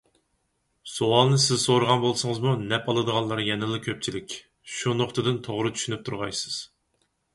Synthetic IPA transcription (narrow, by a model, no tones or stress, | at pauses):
soɑlˠnɨsɪzsoɾəʁɑnbolˠsɨŋəzmunɛpɑlˠɨd̪əʁɑnlˠɑɾjɛnɨlˠɨkʲʰøp̚t͡ʃʰilɪkʲ | ʃunoχt̪ʰɨd̪ɨnt̪ʰoʁɾɨt͡ʃ̪ʰy̥ʃynyp̚t̪ʰuɾʁɑjsɨ̥z̥